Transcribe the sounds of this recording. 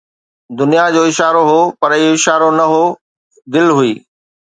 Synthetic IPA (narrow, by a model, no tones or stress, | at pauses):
d̪ʊnijad͡ʑoːɪʃaːɾoɦoːpɐɾioɪʃaːɾonɐɦoː | d̪ɪlɦʊiː